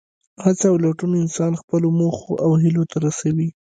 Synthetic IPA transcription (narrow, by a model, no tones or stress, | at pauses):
hat͡saːwlaʈunɪnsɑnxpəlomoxoʔawɦɪlot̪ʰaɾasawi